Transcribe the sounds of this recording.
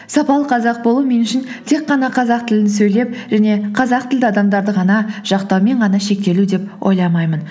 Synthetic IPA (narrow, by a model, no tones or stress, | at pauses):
sɑpɑlˠəqʰɑzɑq̚bo̞lˠume̞nʏʃɪn | t̪ʰe̞qːɑnɑqʰɑzɑq̚t̪ʰɪlɪnɪsɵjle̞p̚ʒæne̞qʰɑzɑq̚t̪ʰɪld̪ɪɑd̪ɑmd̪ɑɾd̪əʁɑnɑʒ̥ɑqt̪ɑwme̞ɴʁɑnɑʃe̞k̚t̪e̞lud̪e̞pʔo̰jlˠɑmɑjmən